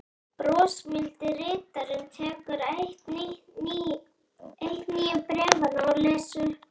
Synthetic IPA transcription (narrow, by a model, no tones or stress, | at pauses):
pɾɔːsmɪlt̪ɪrɪːt̪aɾʏnt̪ʰɛːkʏɾ | ejht̪niːjɪpɾɛːvannɔɾleːsʏ